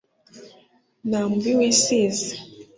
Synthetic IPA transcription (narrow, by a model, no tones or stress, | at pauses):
namuβiwisize